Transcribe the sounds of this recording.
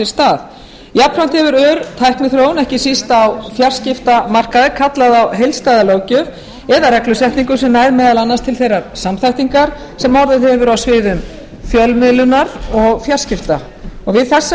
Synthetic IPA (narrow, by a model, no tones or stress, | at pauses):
ɪ̥st̪aːð | japfɾan̥t̪hɛvʏɾœːɾt̪ʰajhknʏθɾoːwnɛhcɪsist̪awfjar̥scɪft̪amar̥kaðɪkʰat̪laðawɦejlst̪aːðaloːwcœv | ɛðaɾɛklʏsɛht̪niŋkʏ̥sɛmnaːjðmɛːðalanːast̪ʰɪlθejraɾsamθajht̪iŋkaɾ̥ | sɛmːawɾðɪðhɛvʏɾawsvɪːðʏm | fjœlmɪlʏnaɾɔɣfjar̥scɪft̪a | ɔɣvɪðθɛsː